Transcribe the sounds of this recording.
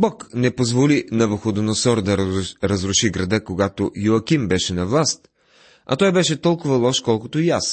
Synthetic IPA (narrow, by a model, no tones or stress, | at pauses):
bɔknɛpozvolinɐvəxod̪nosɔɾd̪ɐɾɐzɾʊʃiɡɾɐd̪əkoɡat̪ojʊɐkʲimbɛʃɛnɐvlˠast̪̚ | ɐ̰t̪ɔjbɛʃɛt̪ɔlˠkʊvɐlˠɔʃkɔlˠkʊt̪ʊijas